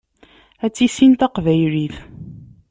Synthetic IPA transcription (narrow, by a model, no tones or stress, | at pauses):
æt͡sːisint̪æqvæjɾiθ